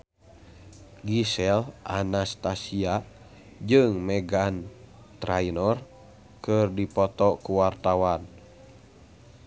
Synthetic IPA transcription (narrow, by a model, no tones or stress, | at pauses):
ɡisɛlʔanast̪asia | d͡ʒɨŋmɛɡan | t̪ɾainɔr | kɨrdipɔt̪ɔkuwart̪awan